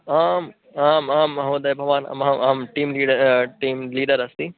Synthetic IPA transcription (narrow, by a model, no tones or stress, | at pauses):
aːm | aːmaːmɦõːd̪ɐebʱɐʋaːnɐ̰mɦãaːmʈiːmliːɖʈiːmliːɖəɾɐst̪iː